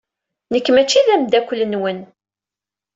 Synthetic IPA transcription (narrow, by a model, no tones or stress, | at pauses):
nəkːmæt͡ʃːiðæmd̪ækʷːlːənwən